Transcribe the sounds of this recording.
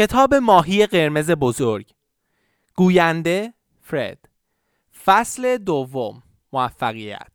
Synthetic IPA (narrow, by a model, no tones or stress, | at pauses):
ce̞t̪ʰɒːbe̞mɒːɦiːje̞ɢe̞ɾme̞ze̞bozoɾɟ | ɡ̥uːjænd̪e̞ | fɾḛd̪̥ | fæsle̞d̪ovːomː | oæfːæɣijæ̰t̪̚ʰ